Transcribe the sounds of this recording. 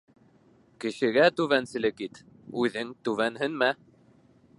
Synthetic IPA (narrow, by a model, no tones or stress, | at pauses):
kɘ̆ʃɘ̆ɡæt̪ʉβænsɘ̆lɘkit̪ | ʉðɘŋt̪ʉβænɦɘnmæ